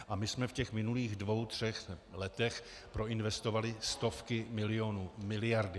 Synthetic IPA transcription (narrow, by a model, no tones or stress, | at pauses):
ʔamɪsmɛfcɛxmɪnuliːɣdvo̞wt̪r̝̥ɛxlɛt̪ɛx | pɾo̞ɪnvɛst̪ovalɪst̪o̞fkɪmɪlɪo̞nuːmɪlɪjaɾdɪ